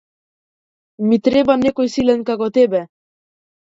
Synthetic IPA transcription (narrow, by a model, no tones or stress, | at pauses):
mit̪ɾebɑnːekojsilɛnkɑkot̪ebæ